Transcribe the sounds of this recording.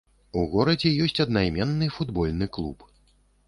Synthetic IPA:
uɣɔɾɐd͡zʲɛjɔsʲt͡sʲɐd̪najmʲɛnːɨfud̪bɔlʲnɨklˠup

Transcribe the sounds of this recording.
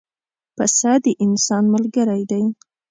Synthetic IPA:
pasad̪əʔɪnsɑnmalɡəɾajd̪aj

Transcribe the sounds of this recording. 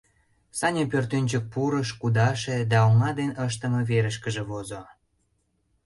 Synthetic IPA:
sɑnʲepørt̪ønʲt͡ɕək̚puɾəʃkud̪ɑʃed̪ɑoŋɑd̪enəʃ̬t̪əmə̆βeɾəʃkəʒĕβozo

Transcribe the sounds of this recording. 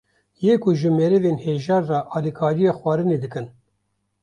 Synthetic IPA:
jeːkʰʊʒɨmeɾɨveːnheːʒɑːnrɑʔɑːlikʰɑːɾijɑːxwɑːɾɨneːd̪ɨkɨn

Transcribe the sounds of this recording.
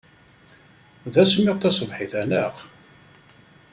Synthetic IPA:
ðæsmːɪʁt̪æsˤəvħiθænæʁ

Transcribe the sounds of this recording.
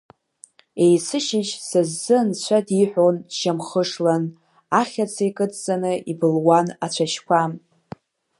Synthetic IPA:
ejsɨʃɪt͡ʃsɨzːɨnt͡ɕʷʰadiħʷᶣonʃamχəʂlan | aχʲat͡sʰejkʼɨt͡sʼt͡sʼanɨʔibɨlwanat͡ɕʷʰaʃkʷʰam

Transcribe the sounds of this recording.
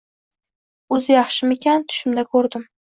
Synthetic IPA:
ɵzɪjɑχʃɪmekʲant̪ʰʊ̥ʃɪmd̪akʰɵɾd̪ɪm

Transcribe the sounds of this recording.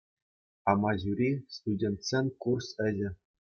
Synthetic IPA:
ɑmɑʑuɾʲist̪udʲent̪sʲenʲkursɘ̆ʑɘ̆

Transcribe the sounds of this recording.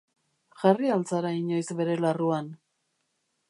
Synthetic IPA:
ʝarialt͡saɾaiɲo̞jzbe̞ɾe̞laruan

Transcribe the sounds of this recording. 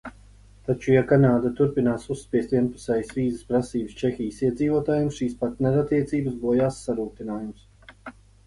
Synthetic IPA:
t̪at͡ʃujakanaːd̪at̪uɾpinaːsusːpʲiɛst̪ʲviɛnpu̥sɛjsviːzəspɾasiːbəst͡ʃexʲijsiɛd̪ziːvuɔt̪aːjumsʃiːspaɾt̪nɛɾat̪ːiɛt̪siːbəsbuɔjaːsːaɾuːt̪inaːjums

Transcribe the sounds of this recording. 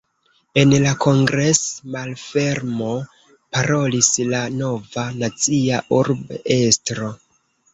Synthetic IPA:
e̞nlako̞ŋɡɾe̞smalfe̞ɾmo̞ | paɾo̞lislano̞vanat͡siaʔuɾbe̞stɾo̞

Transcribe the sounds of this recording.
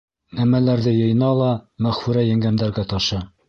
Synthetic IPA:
næmælæɾðɘjɤ̆j̆nɑlˠɑmæχfʉɾæjæ̆ŋɡænd̪æɾɡæt̪ɒʃɤ

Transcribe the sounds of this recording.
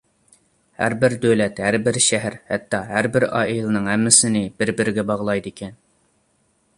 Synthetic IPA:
hæ̰ɾbɪɾd̪øwlɛt̪hæɾbɪɾʃæɦæɾhæt̪ʰːɑɦæɾbɪɾɑ̰ːʔilˠɨnɨŋɦɛmːɪsɪnɪb̥ɪɾbɪɾɪɡʲɛbɑʁlˠɑjd̪ɪkʲʰɛn

